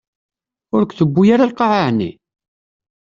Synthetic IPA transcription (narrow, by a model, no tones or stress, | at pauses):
ʊɾkʷːθəbːujaɾalqɑʕaʕnḭ